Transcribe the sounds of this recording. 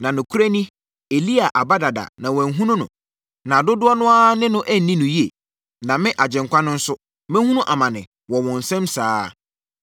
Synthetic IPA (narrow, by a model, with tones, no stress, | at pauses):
nã˨nʊ̃˨kʰu˦ɾæ˦nĩ˦ | e˨li˦a˨ʔa˨ba˦da˨da̰˨nã˨wɛ̃˨˦ɦũ˦nʊ̃˦nʊ̰̃˨ | nã˨dʊ˦dʊ˦ɔ˦nʊ̃˦a˦nɪ̃˦nʊ̃˦ʔæ˦n̩˨nĩ˦nʊ̃˨ji˦e˨ | nã˨mɪ̃˦ʔa˨d͡ʑɪ̃˨ŋ̩˨kʷʰa˦nʊ̃˦n̩˦sʊ˦ | mɪ̃˦hũ˦nʊ̃˦ʔa˨mã˨nɪ̰̃˨ | wɔ˨wɔ̃˨n̩˨sɛ̃˦msaː˦